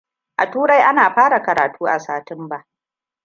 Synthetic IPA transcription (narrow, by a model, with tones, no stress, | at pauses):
ʔa˨tuː˦ɾa˦jʔa˦naː˨ɸaː˦ɽa˨kɐ˨ɾa̰ː˨tʰuː˦ʔa̰˨saː˨tɪ˦mba˦ʔ